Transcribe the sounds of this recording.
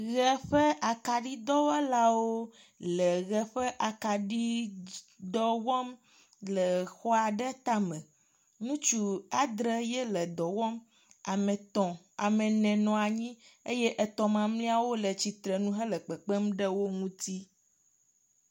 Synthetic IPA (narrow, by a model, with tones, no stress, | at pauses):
ɣɛ˦ɸɛ˦ʔa˨ka˨ɖi˦d̪ɔ˦wɛ˦la˦wo˦ | lɛ˨ɣɛ˨ɸɛ˦ʔa˨ka˨ɖi˦ | d̪ɔ˦wɔ˦m | lɛ˨xɔ˦a˨ɖɛ˦t̪a˦mɛ̃˨ | ŋũ˦t͡ʃu˦a˨d̪ɾɛ˦jɛ˦lɛ˨d̪ɔ˨wɔ˦m | a˨mɛ̃˨t̪ɔ̃˨ | a˨mɛ̃˨nɛ̃˨nɔ̃˨a˨ɲĩ˦e˦jɛ˦ʔɛ˦t̪ɔ̃˨mã˨mlĩ˦a˦wo˦lɛ˨t͡ɕi˨t̪ɾɛ˨nũ˦ɦɛ˦lɛ˨k͡pɛ˨k͡pɛ˦m˦ɖɛ˦wo˦ŋũ˦t̪i˦